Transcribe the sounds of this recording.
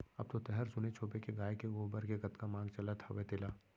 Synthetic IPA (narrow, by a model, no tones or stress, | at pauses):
ɐ̰b̚t̪ot̪ɛɦɛɾsʊnet͡ʃʰoːpekeɡaːekeɡoːbəɾkeɡɐt̪kamãːɡt͡ʃɐlat̪ʰɐʋet̪ɪlaː